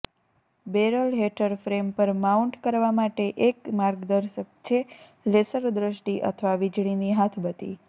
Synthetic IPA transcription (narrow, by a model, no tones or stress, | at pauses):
beɾəlɦeʈəɾfɾempəɾmauɳʈkəɾʋamaʈeʔekmaɾɡd̪əɾʃək̚t͡ʃʰe | lesəɾd̪ɾəʃʈiʔə̰t̪ʰəʋaʋid͡ʒɽ̃iniɦat̪ʰbət̪ḭ